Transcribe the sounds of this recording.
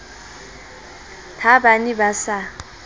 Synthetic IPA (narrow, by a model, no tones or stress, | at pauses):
tʰabanibasa